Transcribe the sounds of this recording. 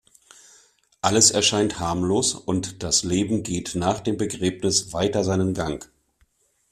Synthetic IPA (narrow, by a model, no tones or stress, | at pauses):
ʔaləsɛɐʃaɪnthaɐmloːsʊntd̥asleːbm̩ɡeːtnaːχd̥eːmbəɡʁeːpnɪsv̥aɪtɐzaɪnənɡaŋ